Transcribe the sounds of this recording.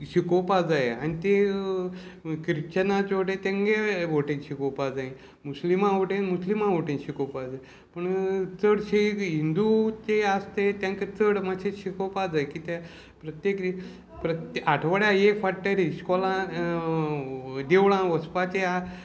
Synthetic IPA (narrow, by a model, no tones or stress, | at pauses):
ɕikopad͡zajea̰nit̪e | kɾit͡ɕənat͡ɕʋoʈẽt̪ẽŋɡeʋoʈĩŋɕikopad͡zaĩ | muslimãʋoʈẽnmuslimãʋoʈĩŋɕikopad͡zaj | pəɳt͡səɽɕekɦind̪ut͡ɕeast̪et̪jãŋket͡səɽmaɕeɕikopad͡zajkiːt̪a | pɾət̪jek | pɾət̪aʈʰʋəɽjaekfaʈːəɾiɕkɔlã | d̪ewɭãʋəspat͡ɕea